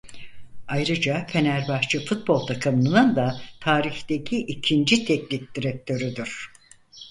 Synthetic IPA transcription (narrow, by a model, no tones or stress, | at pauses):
ajɾɯd͡ʒafʰe̞næɾbaxt͡ʃʰɯfut̪̚bo̞lˠt̪ʰakʰamɯnɯnɯnd̪at̪ʰaːɾiçd̪e̞cʰiʔicʰind͡ʒit̪ʰɛclʲifd̪iɾɛk̚t̪ʰø̞ɾyd̪yɾ̥